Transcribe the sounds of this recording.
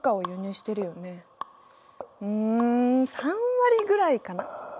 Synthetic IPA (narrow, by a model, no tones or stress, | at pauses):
kao̞joɲ̟ɨːɕi̥t̪e̞ɾɯ̟jo̞ne̞ | ɯ̟̃sãβaɾʲiɡɯ̟ɾaikana